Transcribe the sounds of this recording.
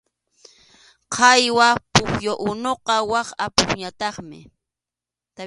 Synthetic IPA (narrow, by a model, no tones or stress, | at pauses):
qʰɑjwapʊχjoʔʊnoqɑwɑχa̰pʊχɲat̪ɑχmɪ̰ | t̪a